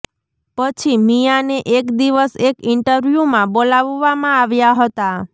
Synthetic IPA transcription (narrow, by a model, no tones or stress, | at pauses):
pət͡ʃʰimijaneʔekd̪iʋəsekɪɳʈəɾʋjumãbolaʋːamãaʋjaɦət̪a